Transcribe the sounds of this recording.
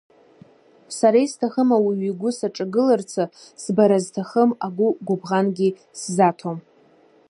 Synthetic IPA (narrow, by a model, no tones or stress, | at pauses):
saɾajstʰaχəmawiɥiɡʷʊsaʈ͡ʂʼaɡɨlart͡sʰasbaɾaztʰaχəmaɡʷʊɡʷʊbʁanɡʲi | szatʰom